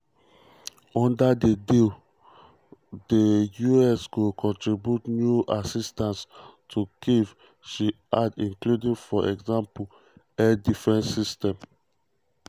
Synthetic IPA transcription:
ɔ̃ndadedil | dejuɛsɡokʰɔ̃ntɹibjutnjuʔasistãnstʰukiv | ʃi | adĩŋkludĩŋfɔʔɛ̰ɡzãmpul | ɛdifɹɛ̃ntsistɛ̃m

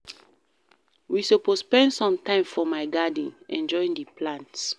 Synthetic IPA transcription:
wisopospɛ̃ndsɔ̃mtãɪ̃mfɔmaɪɡad̃nʔɛ̰̃nd͡ʒɔĩŋdipʰlãnts

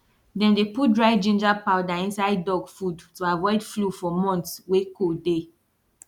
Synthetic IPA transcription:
dɛ̃mdeput̚dɹaɪd͡ʒĩnd͡ʒapaʊdaĩnsaɪd̚dɔɡfudtuavɔɪdflufɔmɔ̃ntswekode

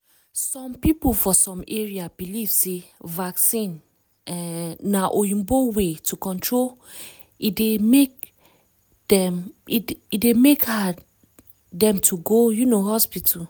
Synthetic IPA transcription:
sɔ̃mpipofɔsɔ̃meɹiabiliv̥sevaksĩn | ɛːaʔojũmbowetʰukɔ̃ntɹol | idemek | dɛ | idemekha | dɛ̃mtʰuɡojunohɔspitʰul

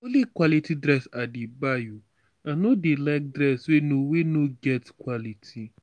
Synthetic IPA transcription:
olikwalitʰidɾɛsadibaju | ãnodelaɪk̚dɾɛswenowenoɡɛtkwalitʰi

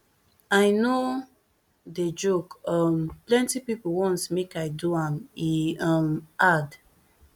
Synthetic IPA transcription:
ajno | ded͡ʒokʌmplɛ̃ntipipowɔ̃nsmekajduãmiʌ̃mʔad

